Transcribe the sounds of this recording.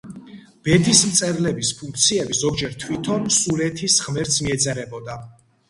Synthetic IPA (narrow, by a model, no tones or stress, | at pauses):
b̥ɛt̪ʰismt̪sʼɛɾlɛbispʰuŋk̚ʰt̪sʰiɛbizɔɡd͡ʒɛɾt̪ʰwit̪ʰɔnsuɾɛt̪ʰisʁmɛɾt̪sʰmiɛd̪zɛɾɛbɔd̪a